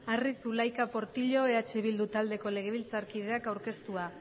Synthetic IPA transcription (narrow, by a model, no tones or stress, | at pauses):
arisulajkapo̞ɾt̪iʎo̞eat͡ʃeβild̪ut̪ald̪e̞ko̞le̞ɣ̞e̞β̞ilt͡saɾkiðe̞akawɾke̞st̪ua